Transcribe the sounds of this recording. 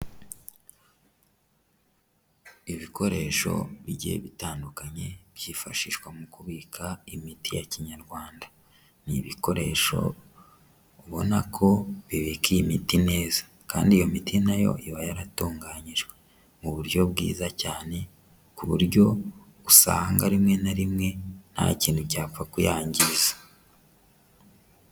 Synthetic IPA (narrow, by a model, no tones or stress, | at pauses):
iβikʰo̞ɾe̞̰ʃo̞̰βiɟḛβitaːndukaɲe̞b̥jiːfa̰ʃiʃwamukuβiːkʰaimitijaciɲaɾɡwaːnda | niβiko̞ɾe̞ʃo̞̰ | uβo̞nakʰo̞βiβikiimitine̞ːzḁ | kaːndijo̞mitʰinajo̞̰ʔiβajaɾatuːŋɡaːɲiʒɡwe | muβuɾɟo̞bɡḭːzacaːne̞ | kuβuɾɟo̞ | usa̰ŋɡaɾimŋe̞naɾimŋe̞n̥ha̰ciːnhucaːfakujaːɲɟiizḁ